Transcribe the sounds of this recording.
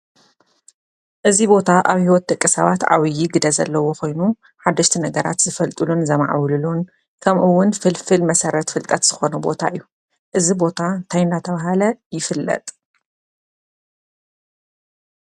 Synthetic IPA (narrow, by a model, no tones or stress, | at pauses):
ʔɨzibo̞t̪ʰaʔaβhiwɔt̪̚d̪ʼɐkʼːɨsɐβat̪ʕa̰wijiɡɨd̪ɐzɐ̰lːɐwo̞ko̞jnu | ħad̪ːɐʃt̪ʰinɐɡɐɾa̰t̪z̥ɨfɐlt̪ʼɨlunzɐma̰ʕwlɨlun | kʰɐmʔɨwːʊnfɨlfɨlmɐsɐɾɐt̪fɨlt̪ʼɐt̪z̥ɨxo̞nubo̞̰t̪ʰa̰ʔɨjːu | ʔɨzibo̞t̪ʰant̪ʰajnd̪at̪ʰɐβaɦalɐjɪfɨlːɐ̰t̪ʼ